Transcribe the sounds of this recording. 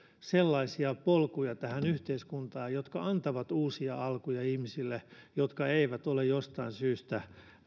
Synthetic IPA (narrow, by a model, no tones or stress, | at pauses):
selːɑisiɑpolkujɑt̪æhænyht̪eiskunt̪ɑːjjot̪kɑɑnt̪ɑʋɑt̪uːsiɑɑlkujɑihmisilːejot̪kɑeiʋæt̪olejjost̪ɑinsyːst̪æ